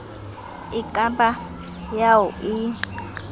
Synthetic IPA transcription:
ikʼamba | jauʔi

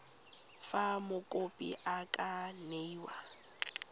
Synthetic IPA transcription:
famʊkʼopʼḭʔakʼaneiwa

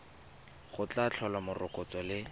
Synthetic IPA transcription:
χʊt͡ɬat͡ɬʰɔlamʊrʊkʊt͡sɔlɪ

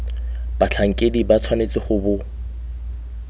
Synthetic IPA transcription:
b̥at͡ɬʰaŋ̩kʼedibat͡sʰwanet͡sʼɪχʊbʊ

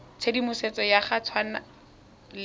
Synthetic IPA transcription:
t͡sʰedimʊset͡sɔjaχat͡sʰwana | l

